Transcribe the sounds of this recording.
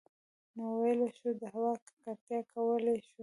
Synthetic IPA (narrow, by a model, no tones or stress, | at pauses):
nowajeleʃud̪əhawɑkkaɾt̪jɑkʰawəleʃu